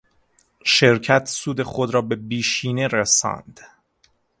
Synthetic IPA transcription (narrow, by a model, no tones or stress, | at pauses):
ʃeɾcʰæt̪ʰsuːd̪e̞χod̪ɾɒːbe̞biːʃiːne̞ɾesɒ̰ːnd̪̥